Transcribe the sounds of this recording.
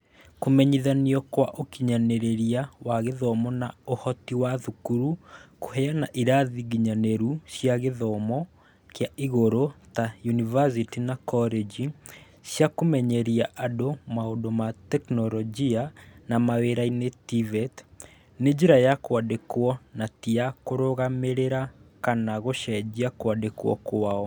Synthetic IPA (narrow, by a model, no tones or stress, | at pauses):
komɛɲiðaniɔkwaʔokiɲanɛɾeɾiawaɣeðɔmɔnaohɔtiwaðukuɾuko̥hɛanaʔiɾaðiɣiɲanɛɾusjaɣeðɔmɔ | kjaʔiɣoɾotajunivas̬itinakɔled͡ʒi | sjakomɛɲɛɾiaʔadomaodomatɛknɔɾɔd͡ʒianamaweɾainetivɛt | ned͡ʑeɾajakwadekwɔnatiakoɾoɣameɾeɾakanaɣoʃɛd͡ʑiakwadekwɔ̰kwaɔ